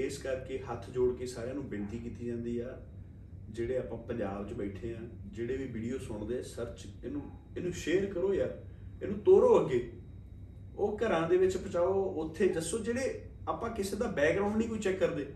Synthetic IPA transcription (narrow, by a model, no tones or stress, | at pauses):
eːskəɾkeɦət̪ʰd͡ʒoːɽkeːsaːɾeãːnũːbɪɳt̪iːkiːt̪iːd͡ʒãːnd̪iːaː | d͡ʒeːɽeːaːpãːpə̃ɲd͡ʒaːbt͡ʃbɛːʈʰeːãːd͡ʒeːɽeːʋiːʋiːɖijoːsʊɳd̪eːɛsəɾt͡ʃeːnũː | eːnũːʃeːəɾkəɾoːjaː | eːnũːt̪oːɾoːəɡːeː | oːkəɾãːd̪eːʋɪt͡ʃpət͡ʃaːoʊt̪ʰːeːd͡ʒəsːõːd͡ʒeːɽeːaːpãːkɪseːd̪aːbɛːkɾaʊ̃ɳɖniːkoːit͡ʃɛːkːəɾd̪eː